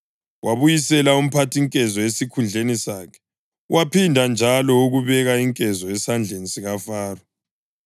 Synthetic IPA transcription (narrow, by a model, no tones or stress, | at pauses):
waβujisɛlaum̩pʰatʰiŋkʼɛzɔesikʰund͡ɮʱenisaːkʰɛ̥ | wʔapʰindʱand͡ʒʱalɔuɣuβɛɣaiŋkʼɛzɔɛsand͡ɮʱensʼiɣafaːrɔ